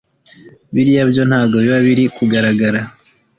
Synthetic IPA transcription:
βiɾijabjo̞nhaːbɡo̞βiβaβiɾikuɡaɾaɡaɾa

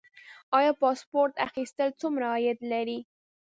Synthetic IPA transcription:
ɑjɑpɑspoɾt̪axist̪əlt͡sumɾaːjat̪laɾi

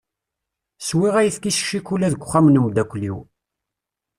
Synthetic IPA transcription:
swiʁæjəθkisʃːikulæðəɡʷχæmnəmd̪ækʷlḭw

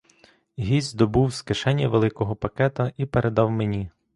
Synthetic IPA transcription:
ɦʲizʲd̪ɔbuwskeʃɛnʲːɐʋelˠɪkɔɦɔpɐkɛt̪ɐʔipeɾʔed̪ɑwmenʲi

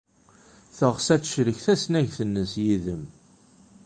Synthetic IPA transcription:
θəʁsæt͡sʃɾəçθæsnæʝθənːəsjiðəm

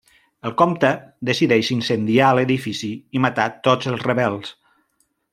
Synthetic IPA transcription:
əlˠkomt̪əd̪əsiðɛʃinsənd̪iaələðifisiimət̪at̪ozəlˠzrəβɛlˠs

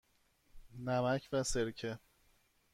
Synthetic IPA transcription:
næmæcʰvæse̞ɾcʰe

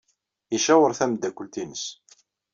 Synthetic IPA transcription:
iʃæwəɾˤθæmd̪ːækʷːəlt̪inəs

